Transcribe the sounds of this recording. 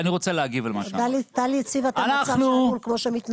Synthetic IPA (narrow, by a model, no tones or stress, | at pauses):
niʁot͡seleaɡivalmad̪alit̪alit͡sivat̪anasanuulkmo̞ʃemit̪n